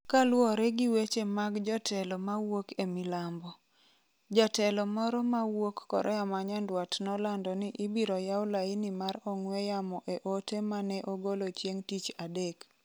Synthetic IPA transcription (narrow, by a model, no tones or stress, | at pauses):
kalwɔɾɛɡiwet͡ʃemaɡd͡ʒɔtʰɛlɔmawokemilambɔ | d͡ʒatɛlɔmɔɾɔmawokːɔ̰ɾʔɔjamaɲandwatnɔlandɔnɪʔibiɾɔjawlaɪnimaɾɔŋwejamɔʔeʔotemanɛʔoɡolot͡ʃjeŋtit͡ʃadek